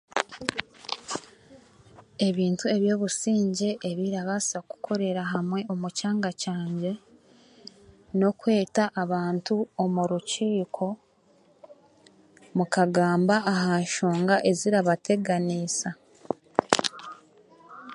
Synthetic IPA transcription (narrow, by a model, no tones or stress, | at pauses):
e̞βiːntue̞βjo̞ːβusiːɲɟe̞ʔːβiɾaβasaku̥kʰo̞ɾe̞ɾaɦamwe̞ʔo̞mucaːŋɡacaːɲɟe̞ | no̞kwe̞ːtaʔaβaːntuomuɾuciːkʰo̞ | mukaɡaːmbaːɦaːʃoːŋɡaʔe̞ziɾaβatʰe̞ɡanisa